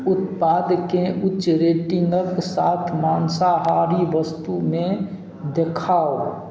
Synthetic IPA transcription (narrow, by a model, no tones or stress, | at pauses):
ʊt̪paːd̪keʔʊʃɾeːʈɪŋɡəksaːt̪ʰmaːnsaɦaɾiʋəst̪umẽ | d̪ekʰaːo